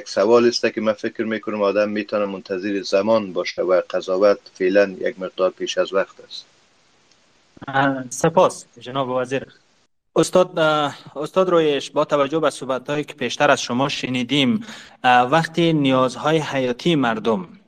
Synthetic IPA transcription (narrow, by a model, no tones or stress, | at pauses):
jaksawɔlɪst̪akɪmafɪkɾmekʊnʊmɔd̪amːet̪ʰɔnamʊnt̪ʰazɪɾizamɔnbɔʃawaqʰazɔwat̪felanja̰ɡmɪq̚d̪ɒɾpeʃazwaqt̪ast̪ | sɪpɔsd͡ʒɪnɔbɪvaziɾ | ʊst̪ɔd̪ʊst̪ɔd̪ɾojeʃbɔt̪ʰavad͡ʒʊbasuhbat̪hɔikɪ̥pʰeʃt̪aɾaz̥ʃʊmɔʃɪnid̪im | vaqt̪inijɒzhɔjihajɒt̪ʰiːmaɾd̪ʊm